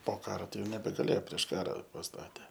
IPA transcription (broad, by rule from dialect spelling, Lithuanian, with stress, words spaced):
poː ˈkɑːroː ˈtɐɪ ˈjɛʊ nʲɛbʲɛɡɐˈlʲeːjoː pʲrʲiɛʃ ˈkɑːrɐ pɐsˈtɑːtʲeː